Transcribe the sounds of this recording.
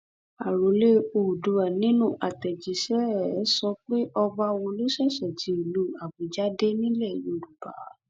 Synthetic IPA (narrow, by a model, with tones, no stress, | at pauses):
a˨ɾo˨˦le˦o˧˨du˨˧˦a˨nĩ˦nũ˦˨ʔa˨tɛ˨d͡ʒi˨˦ʃɛ˦ɾsɔ˧k͡pe˦ʔɔ˧ba˧w̃ɔ̃˧lo˦ʃɛ˦˨ʃɛ˨d͡ʒi˨˦i˨lu˦˨a˨bo˨˦d͡ʒa˦de˦nĩ˦lɛ˦˨jo˧˨ɾu˨b̥a˨˦